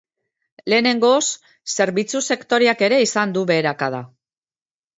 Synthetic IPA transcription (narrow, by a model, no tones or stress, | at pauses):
le̞ːne̞ŋɡo̞sː | e̞ɾβit͡suse̞kt̪o̞ɾeake̞ɾe̞isand̪uβe̞ːɾakað̞a̰